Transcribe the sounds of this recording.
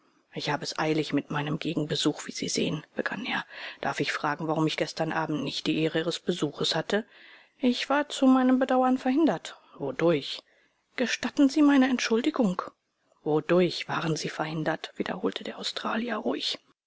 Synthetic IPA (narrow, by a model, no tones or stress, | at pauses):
ʔɪçhaːbəɛsʔa̰ɪlɪçmɪtmaɪnəmɡeːɡŋ̩bəzuːxv̥ḭːz̥ḭːz̥ḛːənb̥əɡ̥a̰neːɐd̥a̰ɐfɪçfʁ̥aːɡŋ̩vaʁʊmɪçɡ̥ɛstɐnʔaːbm̩tnɪçtd̥iːʔeːʁəiːʁəsb̥əzuːxəshatə | ʔɪçv̥aːɐt͡sumaɪnəmbədaʊɐnfɛɐhɪndɐt | vodʊɐç | ɡ̥əʃtatn̩ziːmaɪnəɛntʃʊldɪɡʊŋk | vodʊɐçv̥aːʁənziːfɛɐhɪndɐtv̥iːdɐ̰hoːltʰədeːɐʔaʊstʁ̥aːljɐʁʊʏç